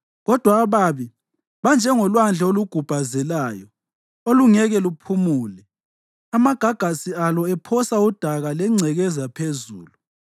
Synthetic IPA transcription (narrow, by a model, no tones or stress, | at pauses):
ɣɔd̥ʱwaβaːβi | βand͡ʒʱɛŋɔlwand͡ɮʱɛoluɡ̥ʱub̥ʱazɛlaːjɔ | oluŋɛɣɛlupʰumuːlɛ | amaɡ̥ʱaɡ̥ʱasialɔɛpʰɔsaud̥ʱaɣalɛŋ͡ǀʱɛɣɛzapʰezṵːlu